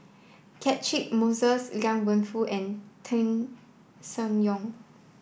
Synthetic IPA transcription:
kʰɛtɹik̚mosəsɡãŋwə̃nfuʔɛ̃ntʰɛ̃n | sə̃njɔ̃ŋ

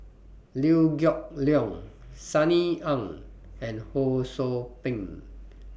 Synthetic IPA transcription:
liuɡjɔk̚liɔ̃ŋsaniãŋɛ̃nhosopĩŋ

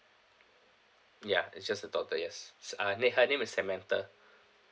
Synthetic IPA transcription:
jaḭsd͡ʒasdədɔtəjɛssanehənẽmisːɛmɛ̃ntə

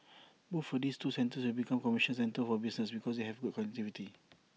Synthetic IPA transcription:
boffɔdistusɛ̃ntəswɛlbikãmkɔmiʃə̃nsɛ̃ntəlfɔbisnəsbikɔsdeɦɛvɡud̚kɔnɛk̚tiviti

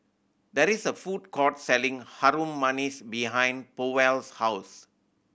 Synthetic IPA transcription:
dɛɾisəfud̚kʰɔtsɛlĩŋhaɾũmːanisbiɦãj̃npowɛlshaʊs

